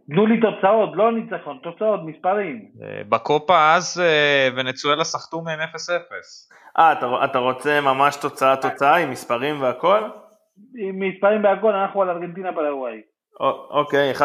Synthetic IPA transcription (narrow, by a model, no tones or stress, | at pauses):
t̪nulit̪o̞t͡sao̞t̪lo̞nit͡saχo̞nt̪o̞t͡sao̞t̪mispaʁimḛbako̞paazevenet͡suelasaχt̪umemefese̞fe̞s | ʔat̪aat̪aʁo̞t͡semamaʃt̪o̞t͡saat̪o̞t͡saaimːispaʁimveako̞l | imispaʁimveako̞lanaχnualaʁɡent̪inapaɾaɡwaj | ookejeχa